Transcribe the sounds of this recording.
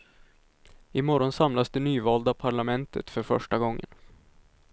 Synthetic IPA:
ɪmɔɾɔnsamlasd̪ɛnyːvɑːld̪apʰaɭamɛnt̪ʰə̰t̪fœɾfœ̰ʂʈaɡɔŋːə̰n

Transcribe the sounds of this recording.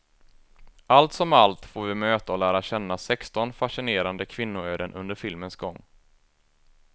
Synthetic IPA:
alt̪sɔmalt̪foːɾvɪmøːt̪aɔlæːɾaɕɛnːasɛkst̪ɔnfaʂɪneːɾand̪əkʰvɪnːʊøːd̪ənʔɵ̰nd̪əɾfɪlmənsɡɔŋː

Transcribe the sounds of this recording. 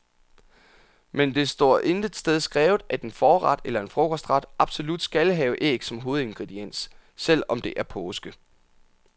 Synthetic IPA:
mend̥e̝sd̥ɔ̰ːɐ̰ʔe̝nd̥əd̥sd̥eð̞ˠsɡ̥ʁɛːʊð̩ˠæd̥e̝nfɒːʁɑ̈d̥elɐe̝nfʁɔ̽kʰɒsd̥ʁɑ̈d̥ʔɑ̈b̥so̝lud̥sɡ̥ælɦɛːʊʔe̝̰ːɡ̥sɒ̽mɦo̝ːð̞̩ˠe̝nɡ̥ʁɛd̥ien̰ssel̰ɒ̽md̥e̝ʔæɐpʰɔːsɡ̥ə

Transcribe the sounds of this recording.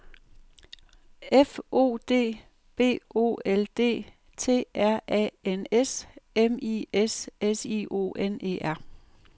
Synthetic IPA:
efo̝̰ːd̥e̝̰ː | b̥e̝̰ːo̝̰ːeld̥e̝̰ː | t͡sʰe̝̰ːæɐ̰ʔɛ̰enesemiesesiːʔo̝̰ːʔene̝̰ːæɐ̰

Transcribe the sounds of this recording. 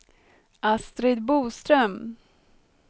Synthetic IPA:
ast̪ɾɪd̪̚buːst̪ɾœm

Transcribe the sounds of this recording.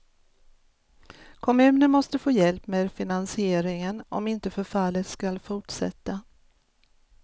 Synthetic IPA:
kʰɔmʉ̟ːnəɳmɔst̪əfoːjɛlpmeːd̪fɪnansɪeːɾɪŋənɔ̰mɪnt̪əfœɾfalːət̪skalfʊʈʂɛ̰t̪ːa

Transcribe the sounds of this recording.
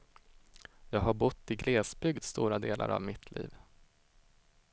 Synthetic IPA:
jɑːɡɦaɾbʊt̪ːɪɡɾeːsbʏɡd̪st̪uːɾad̪eːlʔa̰ɾa̰vmɪt̪ʰlḭːv

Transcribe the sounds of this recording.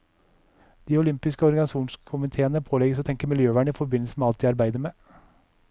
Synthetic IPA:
d̪̥iːʊlʏmpɪskəɔɾɡɑnɪsuːnskʰʊmɪt̪ʰeːənəpʰoːlɛɡəsoːt̪ʰɛŋkəɾmɪljøːʋæːɳəiːfɔɾbɪnl̩sən̩meɑlt̪d̪iːɑɾbæɪd̪əɾmeː

